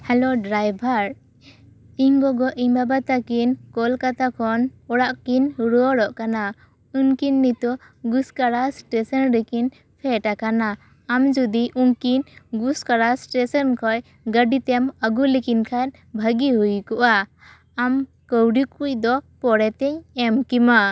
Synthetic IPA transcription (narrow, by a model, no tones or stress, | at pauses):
hɛloɖɾajbʱaɾ | iŋɡɔɡɔʔimbabat̪akinkɔlkat̪akʰɔnɔɽaʔkinɾuɔɽɔʔkana | unkinːit̪ɔ | ɡuskaɾasʈɛsənɾɛkin | pʰɛʈakanaː | md͡ʒud̪iʔunkinɡuskaɾasʈɛsɔnkʰɔj | ɡəɖit̪ɛməɡulikinkʰan | bʱəɡiɦujkɔʔa | am | kəwɖikuc̚d̪ɔpɔɽɛt̪ɛɲɛmkima